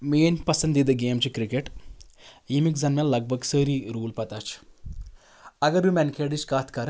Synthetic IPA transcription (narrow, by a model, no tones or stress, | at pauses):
meːnʲpɐsɐnd̪id̪ɨɡeːmt͡ʃikɾikeʈ | imikzɐnmelːɐɡ̚bʱɐɡsəːɾiɾuːlpɐt̪aːt͡ʃʰ | ɐɡɐɾʋimɛnkʰeːɖit͡ʃkaːt̪ʰkɐɾ